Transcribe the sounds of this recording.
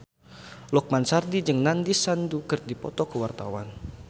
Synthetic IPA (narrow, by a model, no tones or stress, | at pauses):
lɔk̚mansardid͡ʒəŋnandisandukər̚dipɔt̪ɔkəwart̪a̰wa̰n